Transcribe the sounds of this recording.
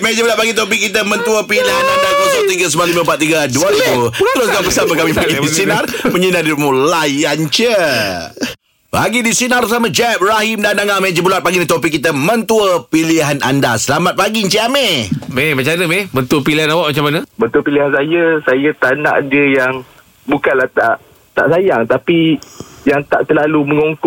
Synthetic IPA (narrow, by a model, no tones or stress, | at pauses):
med͡ʒəbulat̪̚paɡit̪ɔp̬ikːit̪̬əmə̃nt̪uəpiliɦanandakɔsɔʔt̪iŋɡəs̬əmãlimə̃mpat̪ːiɡaduat̪ubulat̪əlʊsɡaŋbəsapəkamipaɡidisinarməɲinadimũlajant͡ʃə | pa̰ɡidisinarsamãd͡ʒɛp̚raɦimdandaŋamẽd͡ʒəbulat̪̚paɡinit̪opikːit̪əmə̃nt̪uəpiliɦana̰ndasəlamat̪̚paɡiɲt͡ʃiamememat͡ʃanəmemənt̪uəpiliɦanawaʔ̚mat͡ʃamanəmə̃nt̪uəpiliɦansajəsajət̪ana̰ʔdiəjaŋ | bukanlaht̪aʔ | t̪a̰ʔsajaŋt̪apijaŋt̪a̰ʔt̪əlaluməŋoŋk